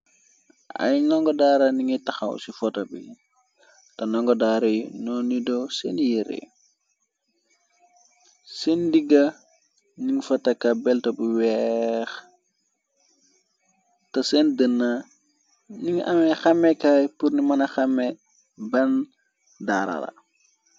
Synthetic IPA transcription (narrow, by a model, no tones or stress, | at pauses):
ɐ̰jnɔŋɡɔdaːɾɐniŋitɐxɐ̰wsifɔtɐbḭ | tɐnɔŋɡɔdaɾɐjnɔnidɔsɛnjiɾḛ | sendiɡɐ | niŋfɐtɐkɐbɛltɐbuwɛx | tɐsɛndənːa | niŋɐ̰mɛxɐmɛkajpurnimɐnɐxɐmːɛ | bɐn | da̰ɾɐ̰lɐ̰